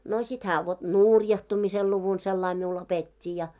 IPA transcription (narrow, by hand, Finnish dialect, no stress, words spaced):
no sit hæː ʋot nuˑrjɑhtumisel luʋun selːɑi miul opetʲːi jɑ